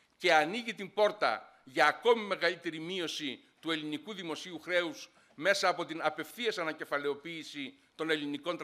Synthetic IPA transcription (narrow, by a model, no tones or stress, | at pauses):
ce̞ɐniʝit̪imbo̞ɾt̪ɐ̰ | ʝɐːko̞mime̞ɣɐlit̪e̞ɾimio̞si | t̪ue̞linikuðimo̞siuxɾe̞us | me̞sɐːpo̞t̪inɐpe̞fθiesɐnɐce̞fɐle̞o̞piːsi | t̪o̞ne̞liniko̞nt̪